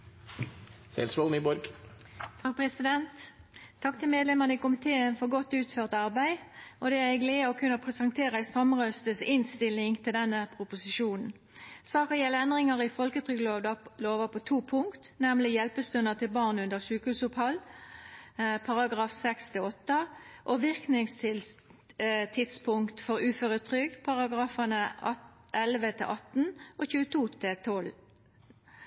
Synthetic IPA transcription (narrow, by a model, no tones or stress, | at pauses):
sɛ̰lsʋɔlnibɔɾɡ | t̪ʰɑk̚pʰʁɛsɪd̪ɛnt̪ʰː | ɑk̚ːt̪ʰɪlmeːd̪lɛməʁnəɪkʊmɪt̪ʰeːənfɔʁɡɔt̪ːʉːt̪føːʁt̪ɑʁbæɪʔɔd̪ɛæʁɛɡleːɔkʰʉnːəpʰʁɛsənt̪ʰeːʁəæɪst̪ɑmʁœst̪əsɪnst̪ɪlɪŋt̪ʰɪld̪ɛnːəpʰʁʊpʊsɪʃuːnn̩ | sɑːkəjɛlːəɛnd̪ʁɪŋɑʁɪfɔlkət̪ʰʁʏɡəlod̪ɑloːʋəpʰɔt̪ʰuːpʰʊŋkt̪nɛmlɪjɛlpəst̪ʉnət̪ʰɪlbɑːʁnʉnd̪əʁʂʉːkhʉːsʊphɑl | pʰɑʁɑɡʁɑːfsɛkst̪ʰɪlɔt̪ːəʔɔʋɪʁknɪŋst̪ʰɪl | t̪ʰɪt̪spʰʊŋkt̪fɔʁʉːføːʁət̪ʰʁʏɡpʰɑʁɑɡʁɑːfənəʔɛlʋət̪ʰɪlʔɑt̪n̩ʔɔçʉːət̪ʰuːt̪ʰɪlt̪ʰɔl